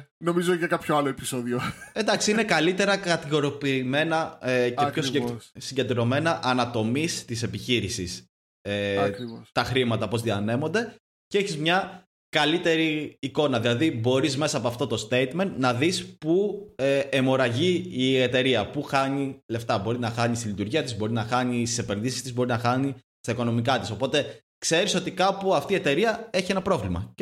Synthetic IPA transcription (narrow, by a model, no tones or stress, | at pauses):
no̞mizoʝɐkɐpçoɐloepisoðioend̪ɐksiinekɐlit̪e̞ɾɐkɐt̪iɣo̞ɾopiːme̞nɐceposssiɲɟed̪ɾo̞me̞nɐʔɐnɐt̪o̞mist̪ise̞piçiɾisis | eiost̪ɐxɾimɐt̪ɐpo̞zðiɐne̞mo̞nd̪e̞ | ceeçizmɲɐ | kɐlit̪e̞ɾiːko̞nɐðilɐðibo̞ɾizme̞sɐːpoɐft̪o̞t̪o̞st̪e̞jt̪me̞nnɐðispueemo̞ɾɐʝiːe̞t̪e̞ɾiɐpuxɐɲile̞ft̪ɐbo̞ɾinɐxɐɲist̪ilit̪uɾʝiɐt̪izbo̞ɾinɐxɐɲist̪ise̞pe̞nðisist̪izbo̞ɾinɐxɐɲi | st̪ɐiko̞no̞mikɐt̪iso̞po̞t̪e̞ | kse̞ɾiso̞t̪ikɐpuɐft̪iːet̪e̞ɾiɐe̞çienɐpɾo̞vlimɐ̰